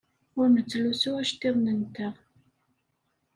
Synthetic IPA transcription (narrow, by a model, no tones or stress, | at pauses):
ʊɾmət͡sːlusuæʃt̪iʁnənt̪əʁ